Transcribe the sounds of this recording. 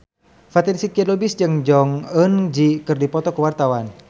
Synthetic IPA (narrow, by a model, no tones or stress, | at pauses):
fat̪ɛɾsikiɛdɔbisd͡ʒɨŋd͡ʒɔŋənd͡ʒikɨrdipɔt̪ɔkəwart̪awan